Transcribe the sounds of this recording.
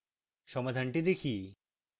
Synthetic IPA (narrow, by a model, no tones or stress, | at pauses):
ʃɔmad̪ʱanʈid̪ekʰi